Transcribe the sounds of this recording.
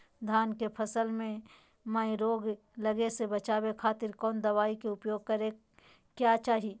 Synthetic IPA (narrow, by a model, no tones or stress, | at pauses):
d̪ʱaːnkepʰəsəlmẽ | maːiɾoːɡ | ləɡesebət͡ʃaːwekʰaːt̪ɪɾkɔːnd̪ɐʋaːikeʊpjoːɡ̚kəɾe | kjaːt͡ʃaːɦi